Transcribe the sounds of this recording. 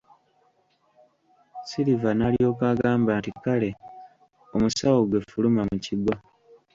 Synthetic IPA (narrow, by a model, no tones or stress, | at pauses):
silivanalio̞ːkaɡaːmbantikale̞ | o̞musawo̞ɡwe̞fulumamuciɡwa